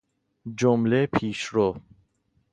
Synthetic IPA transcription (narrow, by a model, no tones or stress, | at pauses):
d͡ʒomlepʰiːʃɾo